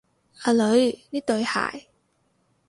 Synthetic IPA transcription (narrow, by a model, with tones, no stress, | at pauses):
aː˧lɵ˨˧˥ɥniː˥t̪ɵ˧ɥha̰ː˨˩j